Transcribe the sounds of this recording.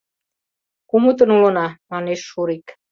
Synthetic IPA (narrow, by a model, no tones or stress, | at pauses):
kumut̪̬ə̆nulɤ̆nɑmɑneʃːuɾik